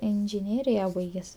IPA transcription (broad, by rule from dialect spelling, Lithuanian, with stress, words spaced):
ɪnʲʒʲɪˈnʲeːrʲɪjɛ ˈbɐɪɡʲɛsʲ